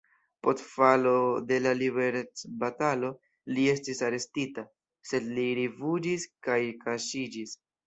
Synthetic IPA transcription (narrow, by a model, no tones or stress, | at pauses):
po̞stfalo̞de̞lalibe̞ɾt͡sbatalo̞ | lie̞stisaɾe̞stita | se̞dliɾivud͡ʒiskajkaʃid͡ʒis